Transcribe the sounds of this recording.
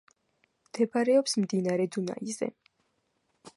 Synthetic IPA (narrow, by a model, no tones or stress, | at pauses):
mt̪ʰɛpʰaɾɛɔpsmd̪inaɾɛd̪una̰izɛ̰